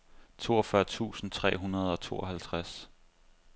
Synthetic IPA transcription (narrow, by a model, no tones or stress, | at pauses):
t͡sʰo̝ːɒ̽fɶɐt͡sʰṵːsn̩t͡sʰʁɛ̰ːɦunɐð̞ˠɒ̽t͡sʰo̝̰ːɒ̽ɦælt͡sʰʁas